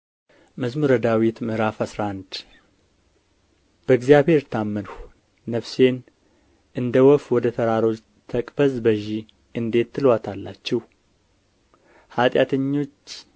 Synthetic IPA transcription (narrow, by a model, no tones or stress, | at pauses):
məzmuɾəd̪awit̪mɨɾafasɾaʔand̪ | b̥əɨɡzijaβhe̞ɾt̪ʰamːənh | nəfse̞n | ʔɨnd̪əwɔfwɔd̪ət̪ʰəɾaɾo̞t͡ʃ | t̪ʰəkʼbəzbəʒi | ɨnd̪e̞t̪ʰːɨlwat̪ʰalːat͡ʃːɛh | hat̪ʼjat̪ʰəɲːo̞t͡ʃː